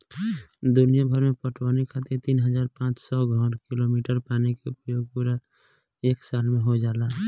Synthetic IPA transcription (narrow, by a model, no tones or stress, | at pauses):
d̪ʊnijabʱəɾmepəʈʰwanikʰat̪iɾt̪iːnɦəd͡ʒaːɾpãt͡ʃsɔɡʱɔɾkilomiʈəɾpanikeʊpjoːɡ̚puɾa | eːksalmeɦod͡ʒaːla